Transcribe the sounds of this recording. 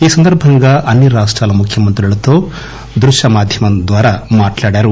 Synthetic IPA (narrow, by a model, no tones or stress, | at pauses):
iːsɐnd̪ɐɾbʱɐŋɡɐʔɐnjɐɾaːʂʈɾaːlɐmukʰjɐmɐnt̪ɾiɐɭɐt̪ːoː | d̪ɾuʃɐmaːd̪ʱjɐmɐnd̪ʋaːɾɐmaːʈlaːɽaɾu